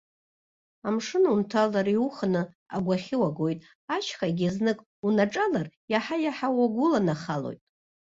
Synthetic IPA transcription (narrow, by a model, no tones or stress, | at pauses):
amʂɨnuntʰalaɾiuχnɨ | a̰ɡʷaχʲɪwaɡojtʼ | at͡ʃʰχaɡʲaznɨkʼ | unaʈ͡ʂʼalarjaħajaħawaɡʷʊlanaχalo̰jtʼ